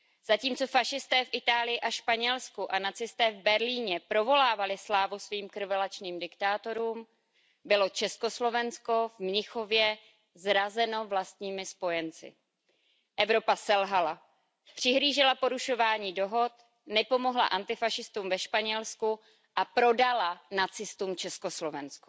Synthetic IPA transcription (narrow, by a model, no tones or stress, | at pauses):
z̥aciːmt͡so̞faʃɪst̪ɛːfʔɪt̪aːlɪjɪʔaʃpaɲɛlskuʔanat͡sɪst̪ɛːvbɛɾliːɲɛpɾo̞vo̞laːvalɪslaːvusviːmkr̩vɛlat͡ʃniːmdɪkt̪aːt̪o̞ɾuːm | bɪlo̞t͡ʃɛskoslo̞vɛnsko̞vmɲɪxo̞vjɛ | zɾazɛno̞vlast̪ɲiːmɪspo̞jɛnt͡sɪ̰ | ʔɛvɾo̞pasɛlɦala | pr̥ɪɦɾiːʒɪlapo̞ɾuʃo̞vaːɲiːdo̞ɦo̞t̪ | nɛpo̞moɦla̰ʔant̪ɪfaʃɪst̪umvɛʃpaɲɛlsku | ʔapɾo̞dalanat͡sɪst̪uːmt͡ʃɛsko̞slo̞vɛnsku̥